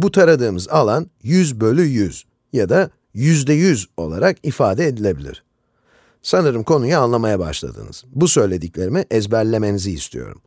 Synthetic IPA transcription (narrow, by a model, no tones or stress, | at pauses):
but̪ʰaɾad̪ɯːmɯzalˠanjyzbø̞lʲyjyz̥ | jad̪a | jyzd̪ɛjyzo̞̰lˠaɾakifaːd̪ɛːd̪ilʲe̞bilʲḭɾ̝̥ | sanɯɾɯmkʰo̞nujaːnlˠamajaba̰ʃlˠa̰d̪ɯ̰nɯ̰z̥busø̞jlʲe̞d̪iclʲe̞ɾimiʔɛzbæɾlʲe̞me̞niziːst̪ʰḭjo̞̰ɾṵm